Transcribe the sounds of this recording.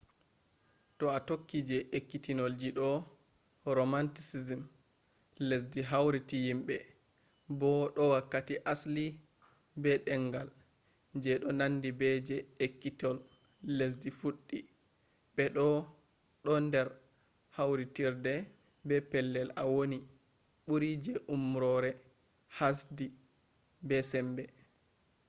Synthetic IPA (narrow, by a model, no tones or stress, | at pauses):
tɔatokːid͡ʒɛʔekːitinold͡ʒiɗɔ | ɾomantisizim | les̬diɦawɾitijimɓɛ | bɔɗɔwakːatiʔasli | bɛɗɛŋɡal | d͡ʒɛɗɔnandibɛd͡ʒɛekːitɔlː | es̬difuɗːi | ɓɛɗɔ | ɗɔndɛɾ | hawɾitiɾdɛ | bɛpɛlːɛlawoni | ɓuɾid͡ʒɛʔumɾɔɾɛ | hasdi | bɛsɛmbɛ